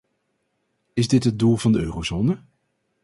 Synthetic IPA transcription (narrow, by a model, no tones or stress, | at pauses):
ɪzdɪtɦət̚dulˠvɑndəøːrowzoːnə